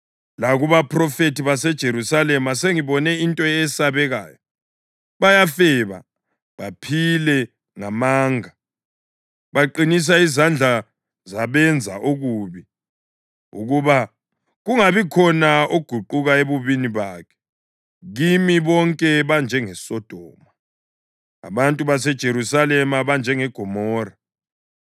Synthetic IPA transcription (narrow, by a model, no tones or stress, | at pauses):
laɣuβapʰrɔfetiβasɛd̥ʒ̥ʱeɾusalɛmaseŋiβɔnɛintʼɔɛsaβɛɣa̰ːjɔ | βajafɛβa̰ | βa̰pʰilɛ | ŋamaːŋa | βaǃinis̬aizand͡ɮʱa | zaβɛnd͡zʱa̰ʔoɣuːβi | ṵɣuβa | ɣuŋaβikʰɔnaoɡ̥ʱuǃuɣaeβuβiniβaːkʰɛ̥ | ɣimiβɔŋkʼɛβand͡ʒʱɛŋɛsɔd̥ʱɔːma | a̰βantʼuβas̬ɛd̥ʒ̥ʱeɾusalɛmaβand͡ʒʱɛŋɛɡ̥ʱɔmɔːra